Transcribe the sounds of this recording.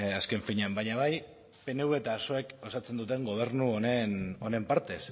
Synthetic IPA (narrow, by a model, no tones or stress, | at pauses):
aske̞ɱfiɲambajɲaβaj | pe̞ne̞uβe̞t̪aːso̞e̞ko̞sat͡se̞nd̪ut̪e̞ŋɡo̞β̞e̞ɾnuoneno̞ne̞mpaɾt̪e̞s